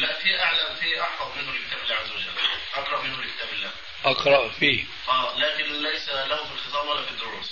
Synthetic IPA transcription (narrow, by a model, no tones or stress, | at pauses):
laʔfiːʔaʕlamfiʔɑħfɑðˤmɪnhʊlɪkɪt̪aːbɪlːaːʕazːawad͡ʒa̰lːʔɑkɾˤɑʔmɪnhʊlɪkɪ̥t̪aːbɪlːaːh | ʔɑqɾˤɑʔfiː | ʔæːlaːkɪnlajsalahʊfilxɪɨt̪ˤɑːbwalːaːfid̪ːʊɾuːs